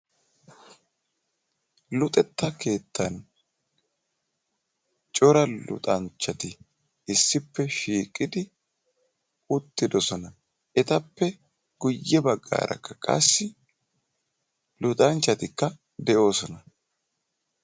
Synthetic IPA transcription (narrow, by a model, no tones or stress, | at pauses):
lʊt̪ʼɛt̪ːɐke̞ːt̪ːɐn | t͡ʃʼɔɾɐlʊ̰t̪ʼɐnt͡ʃːɐt̪ɪ | ɪsːɪpːɛʃiːkʼɪd̪ɪ | ʊt̪ːɪd̪ɔsɔnɐ | ʔɛt̪ɐpːɛ | ɡ̥ʊjːɛbɐɡːa̰ːɾɐ̰kːɐkʼɐ̰sːɪ | lʊt̪ʼɐnt͡ʃːɐt̪ɪkːɐ | d̪ɛʔo̞ːsɔnɐ